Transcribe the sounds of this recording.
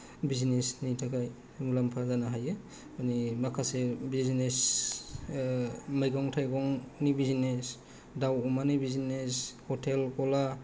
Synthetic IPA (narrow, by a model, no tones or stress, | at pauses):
bizinesnitʰakaj | mulampʰazanaɦaje | manimakʰasebizines | majɡɔŋtʰajɡɔŋnibizines | dawumanibizineshɔtʰelkɔla